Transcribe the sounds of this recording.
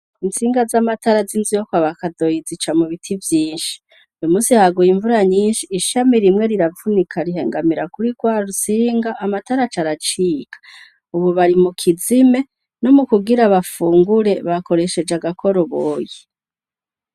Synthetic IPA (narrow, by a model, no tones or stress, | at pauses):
int͡siːŋɡazamataɾazinzijokwaβakado̞jizit͡ʃamuβitʰivjiːnʃi̥ | ujomuːsihaɡujiɱvuɾaɲiːnʃiːʃamiɾimŋe̞ɾiɾavunikʰaɾiɦe̞ːŋɡamiɾakuɾiɡwaːɾusiːŋɡaʔːmataɾat͡ʃaɾat͡ʃiːkḁ | uβuβaɾimukʰizime̞ | no̞mukuɡiɾaβafuːŋɡuɾe̞βako̞ɾe̞ʃe̞d͡ʒaɡakʰo̞ɾoβoːji